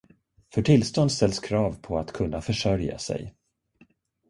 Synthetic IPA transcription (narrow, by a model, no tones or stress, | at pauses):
fœʈʰɪlst̪ɔnd̪st̪ɛlskʰɾɑːvpʰɔat̪kʰɵnːafœʂœɾja̰sɛ̰j